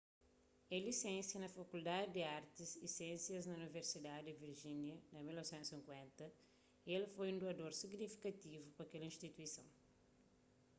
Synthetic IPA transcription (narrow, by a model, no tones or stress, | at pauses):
ɛlisẽnsjɐnɐfɐkuld̪ad̪ɪd̪ɪaɾt̪izisẽsjɐznɐuniveɾsid̪ad̪dɪviɾʒĩnjɐnɐmilnɔvsɛ̃nt̪usĩŋkwɛ̃nt̪ɐ | elfojũnd̪uɐd̪oɾsiɡnifikɐt̪ivupɐkɛlɐĩʃt̪it̪uisɐ̃w̃